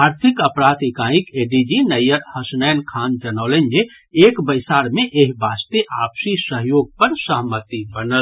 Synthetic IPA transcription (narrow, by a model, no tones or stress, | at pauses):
aɾt̪ʰikəpɾat̪ikãĩkeɖid͡ʒinəjəɾhəsnənkʰand͡ʒənaʊlend͡ʒeː | kbəjsaɾmeʔeɦbast̪eʔapsisəɦjoɡ̚pəɾsəɦmət̪ibənəl